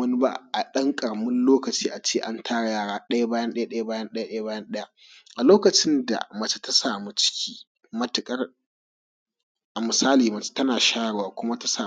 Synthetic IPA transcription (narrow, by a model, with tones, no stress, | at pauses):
ɐ˦nɪ˦ba̰˦ʔa˨ɗɐ˦ŋkʼɐ˨ɽmɪ˦nloː˦kɐ˨t͡ʃiː˦ʔa˨t͡ʃeː˦˨ʔa˦ntʰaː˦ɽa˨jaː˦˨ɽaː˦ɗɐ˦ja˦baː˦jɐ˦nɗɐ˦ja˦ɗɐ˦ja˦baː˦jɐ˦nɗɐ˦ja˦ɗɐ˦ja˦baː˦jɐ˦nɗɐ˦ja˦ | ʔa˨loː˦kɐ˨t͡ʃɪ˦nda̰˨mɐ˨t͡ʃḁ˦ta˦saː˨mu˦t͡ʃɪ̥˦kʲiː˦ | mɐ˦tɪ˨kʼɐ˦r | ʔa˨mɪ˨saː˦liː˨mɐ˨t͡ʃe̥˦tɐ˦naː˨ʃaː˦ɽwaː˨kʷʊ˦ma˦ta˦saː˨